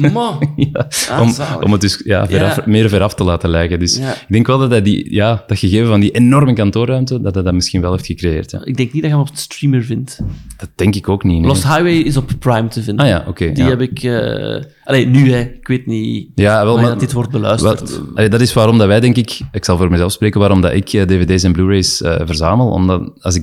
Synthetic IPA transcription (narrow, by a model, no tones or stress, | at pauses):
mjaɔ̰mɔ̰mət̚dʏsja̰ːvɛɾfmɪːɾvɛɾɑftəlaːtəlɛːjkədʏsɪɡ̚dɛŋkʋɛlˠdɑtdɛdḭjaːd̥ɑtxəɣeːvəvɑndiʔenɔrməkɑntoːrœːmtədɑdɛdamɪsxinʋɛlˠeːftxəkrejḛːrtja̰ɪɡ̚dɛŋknidɑxɛɔpstriməɹvɪntd̥ɑt̚d̥ɛŋkɪkoːkninlɔshajwejɪzɔppːɹajmtəvɪndaːja̰ːʔokeːdiɛbɪkə | ɑleːnyɛɪkʋeːtnijaːʋɛlˠmadɪtʋɔrt̚bəlœ̰ːəɑledɑtɪsʋaːɾɔmdɑʋɛːdɛŋkɪkɪksɑlˠvoːɾmɛzɛlˠfspreːkənʋaːɾɔmdɑ̰ʔɪ̰kəːdeːvedeːs̬ɛnbluːɾeːjsə̰ːvərzaːməlˠɔ̰mdɑɑ̰zɪk